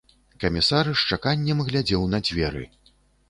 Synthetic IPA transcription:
kɐmʲisaɾɨʂt͡ʂakanʲːɛmɣlʲad͡zʲɛwnɐd͡zʲvʲɛɾɨ̰

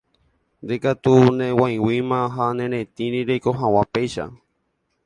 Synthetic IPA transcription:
nd̪ekat̪unẽwãj̃wimãɦanẽɾẽt̪ĩɾĩɾejko̞ɦãw̃ãpejʃa̰

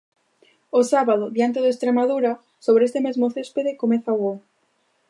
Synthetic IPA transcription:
osaβaðoðjant̪eðoest̪ɾemaðuɾa | soβɾest̪emezmoθespeðekomeθauo

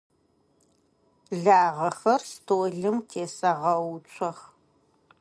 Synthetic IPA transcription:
ɮaːʁɐxɐrstʰoːɮɨmtʰeːsɐʁɐwt͡ʃʷʰʼɐx

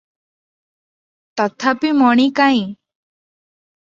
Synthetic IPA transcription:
t̪ɔt̪ʰapimɔɽ̃ikaĩ

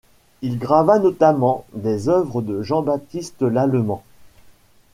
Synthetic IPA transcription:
ilɡʁavanɔt̪amɑ̃d̪ezœvʁəd̪əʒɑ̃bat̪ist̪əlalmɑ̃

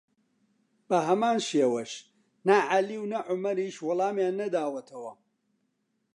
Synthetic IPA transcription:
bɐɦɐmaːnʃeːwɐʃ | naʕaliwnɐʕʊmɐɾiːʃwʊlˠaːmjaːnːɐd̪aːwɐt̪ʰɐwɐ

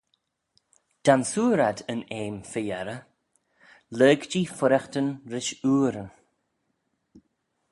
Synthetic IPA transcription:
d̪̥ansuːɾad̪əneːmfɪjɛɾə | ləːɡd͡ʒiːfʊɾɛxtənɾɪʃuːɾən

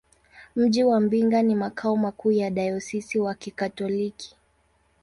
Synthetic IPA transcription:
m̩ʄiwam̩biŋɡanimakʰaɔmakuːjaɗajɔsisiwakikatɔliki̥

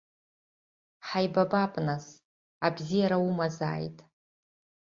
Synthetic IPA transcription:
ħajbabapʼnas | abzijaɾaumaza̰ːjtʼ

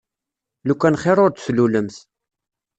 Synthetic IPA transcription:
lukʷːænχeɾʊɾt̪sluləmθ

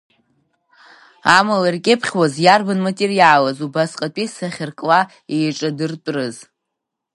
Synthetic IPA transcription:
amalarkʲʼɪpʰχʲwazjarbanmatʼerialazubasqʼatʼisaχʲɪrkʼla | ejʈ͡ʂʼadɨrtʷʼrɨz

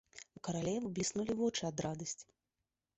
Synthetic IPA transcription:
ukɐɾalʲɛvɨblʲisnulʲivɔt͡ʂɨad̪ɾad̪ɐsʲt͡sʲ

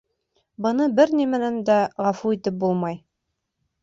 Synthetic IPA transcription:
bɤ̆nɤbɘɾnimɘ̆nænd̪æʁɑfuit̪ɘp̚bulˠmɑj

